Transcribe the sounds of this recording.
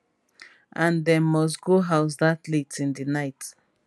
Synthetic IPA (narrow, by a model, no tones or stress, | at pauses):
ãndɛ̃nmɔs̬ɡoɦaʊs̬datletĩndinaɪt